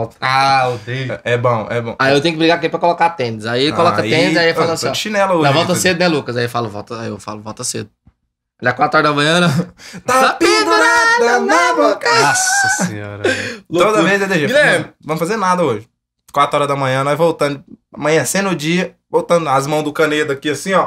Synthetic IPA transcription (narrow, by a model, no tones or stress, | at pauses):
t̪aod̪eɛbõw̃ɛbõw̃aiewt̪ẽj̃ʊ̃kɪbɾiɡapɾkepɾɐkolokat̪ẽd̪ɪzaikolɔkɐẽd̪ɪzaifalɐ̃sɔiʃinɛlɐoɛvɔwt̪ɐsed̪ʊnɛ̃lukɐzaifalɐvɔ̰wt̪ɐaiewfa̰lʊvɔwt̪ɐsḛd̪ʊ | ad͡ʒiakwat̪ɾʊɔɾɐd̪ɐmɐ̃ɲɐ̃nɐ̃t̪aapĩd̪ʊnanɔoka | ɾlod̪ɐvezed̪eʒẽɡilẽmvɐ̃mʊfazeɾnad̪ɐoʒɪ | kwat̪ɾʊɔɾɐd̪ɐmɐ̃ɲɐ̃naivowt̪ɐ̃nd̪ʊamɐ̃ɲ̃ɐ̃sẽnʊd͡ʒiɐ | vowt̪ɐ̃nd̪ʊazmɐ̃w̃zd̪ʊkɐ̃ned̪ʊɐkiɐsĩɔ